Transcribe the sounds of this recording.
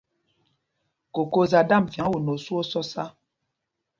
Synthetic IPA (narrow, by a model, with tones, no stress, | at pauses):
ko˨ko˦za˨da˦˨m˨fja˨ŋ˦wo˨no˨su˦o˦sɔ˦sa˦